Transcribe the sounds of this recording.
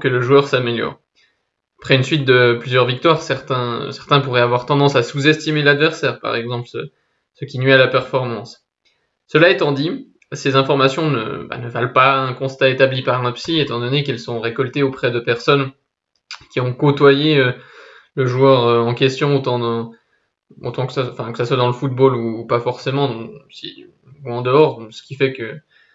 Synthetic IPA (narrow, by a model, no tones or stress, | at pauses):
kələʒuœʁsameljɔ̰ʁ | apχɛynsɥit̪̚d̪əplyzjœʁvik̚t̪waʁsɛʁt̪ɛ̃sɛʁt̪ɛ̃puʁɛavwaʁt̪ɑ̃d̪ɑ̃sasuzɛst̪imelad̪vɛʁsɛːʁpa̰ʁɛɡzɑ̃plsə | səkʲinɥialapɛʁfɔʁmɑ̃s | səlaɛt̪ɑ̃d̪i | sezɛ̃fɔʁmasjɔ̃nə̰ba̰nəvalpaɛ̃kɔ̃st̪aet̪ablipaʁɛ̃psiet̪ɑ̃d̪ɔnekɛlsɔ̃ʁekɔlt̪eopχɛd̪əpɛʁsɔn | kʲiɔ̃kot̪wajeø | ləʒuœʁøɑ̃kʲɛst̪jɔ̃ot̪ɑ̃ | o̰t̪ɑ̃kə̥sãfɛ̃kə̥saswad̪ɑ̃ləfut̪̚boluːpafɔʁsemɑ̃si | uɑ̃d̪əɔʁsə̥kʲifɛkə